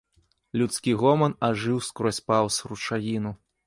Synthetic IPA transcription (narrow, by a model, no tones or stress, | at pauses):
lʲut̪skʲiɣɔmɐnaʐɨwskɾɔsʲpawsrut͡ʂajʲinu